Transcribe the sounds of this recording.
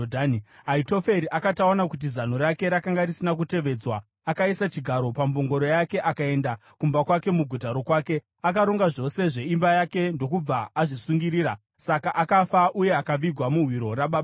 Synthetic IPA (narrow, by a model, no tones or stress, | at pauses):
dʱaniaito̞fe̞ɾiʔakataonakut̬izan̤oɾake̞ɾakaŋɡarisinak̬ute̞ʋe̞d͡zwaː | kaisat͡ʃiɡʱaɾo̞pamboŋɡo̞ɾo̞jake̞ʔakae̞ndakumbakwake̞muɡʱutaɾo̞kwaːke̞ | akaɾoŋɡaʐo̞se̞ʐe̞imbajake̞ndo̞kub͡vaːʐisuŋɡiɾiːɾa | sakaʔakafaʔuje̞akaʋiɡʱwamuɦwiɾo̞raɓaɓa